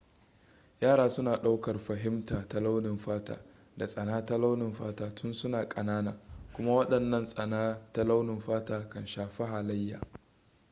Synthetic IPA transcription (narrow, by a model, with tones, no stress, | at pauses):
jaː˦˨ɽaː˦sʊ˦naː˨ɗa˦wkɐ˨rɸɐ˨ɦɪ˦mtaː˨ta˦la˦wnɪ˨mɸaː˦ta̰ː˦ | da˨sʼɐ˨naː˦ta˦la˦wnɪ˨mɸaː˦taː˦tʰʊ˦nsʊ˦naː˨kʼɐ˨naː˦naː˨kʷʊ˦ma˦wɐ˦ɗɐ˨nːɐ˦nsʼɐ˨naː˦ta˦la˦wnɪ˨mɸaː˦taː˨kɐ˨nʃaː˨ɸi˦ɦa˨lɐ˦jːa̰ː˨